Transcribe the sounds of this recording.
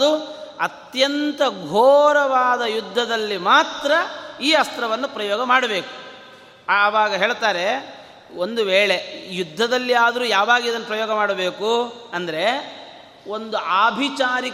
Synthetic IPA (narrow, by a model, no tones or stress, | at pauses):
d̪uɐt̪jɐnt̪ɐɡʱoːɾɐʋaːd̪ɐjud̪ʱːɐd̪ɐlːimaːt̪ɾɐiːɐst̪ɾɐʋɐnːupɾɐjɔːɡɐmaːɽɐbe̞ːku̥ː | ʋaːɡɐɦe̞ːɭt̪aːɾe̞ | o̞nd̪uʋeːɭejud̪ʱːɐd̪ɐlːiaːd̪ɐɾuːjaːʋaːɡiid̪ɐnːɐpɾɐjɔːɡɐmaːɽɐbeːkuɐnd̪ɐɾe̞ | o̞nd̪uʔaːbʱit͡ʃaːɾi